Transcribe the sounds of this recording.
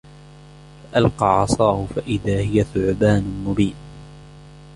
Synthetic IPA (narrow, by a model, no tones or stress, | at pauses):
faʔalqɑʕɑsˤɑːhʊfaʔɪðaːhɪjaθʊʕbaːnʊmʊbiːn